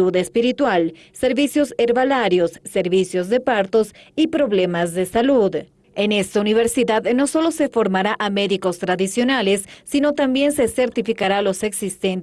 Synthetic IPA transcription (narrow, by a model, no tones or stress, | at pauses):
uðespiɾit̪wal | se̞ɾβisjo̞seɾβalaɾjo̞sːe̞ɾβisjozðe̞paɾt̪o̞sipɾo̞βlemazðe̞saluð | ene̞st̪auniβ̞e̞ɾsiðaðno̞so̞lo̞se̞fo̞ɾmaɾaʔameðiko̞st̪ɾaðisjo̞nalesːino̞t̪ambje̞nsese̞ɾt̪ifikaɾalo̞se̞ksist̪en